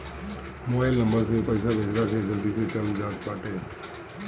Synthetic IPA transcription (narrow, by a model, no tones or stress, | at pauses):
moelnəmbəɾs̬epəjsaʋɪd͡ʒɾas̬ed͡ʒəld̪iset͡ʃalud͡ʒaːt̪paːʈe